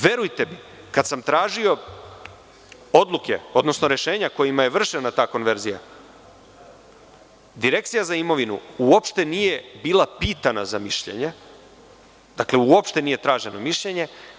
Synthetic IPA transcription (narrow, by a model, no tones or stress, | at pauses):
ʋe̞ɾujt̪e̞mi | kad̪samt̪ɾaːʒio̞ | o̞d̪lˠuke̞̰o̞d̪no̞sno̞ɾe̞ʃe̞ːɲako̞jimaje̞ʋr̩ʃenat̪aːko̞nʋe̞ɾzija̰ | d̪iɾe̞kt̪sijazaimo̞ʋinuuopʃt̪e̞nije̞biːlˠapiːt̪anazamiʃʎe̞̰ɲe | d̪̥akle̞uopʃt̪e̞nije̞t̪ɾaːʒe̞no̞miʃʎe̞ɲe̞